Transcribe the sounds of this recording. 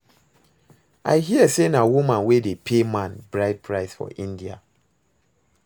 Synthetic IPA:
ʔa̰ɪɦiəsenawumãnwedepʰemãnbɹaɪt̚pʰɹaɪsfɔ̰ʔĩndia̰

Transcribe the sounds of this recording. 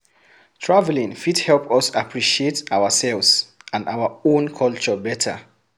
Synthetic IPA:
tʰɹavɛlĩŋfidhɛlpʌsapʰɹiʃietawəsɛlvzãna̰wəõnkʰɔlt͡ʃəbɛtʰə̰

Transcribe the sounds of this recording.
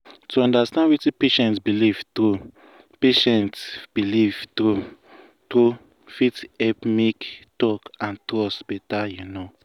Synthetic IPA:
tuɔ̃ndastãndwitĩpeʃɛ̃ntsbiliv̥tɾu | peʃɛ̃ntsb̥iliv̥tu | to | fitɛpmektɔkãntɾɔsbɛtajuno

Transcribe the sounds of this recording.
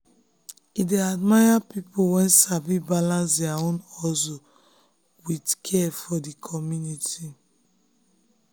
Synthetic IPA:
ideadmajapipowɛ̃nsavibalãns̬dɛaõnɔzo | widkʰɛfɔdikʰɔmjuniti

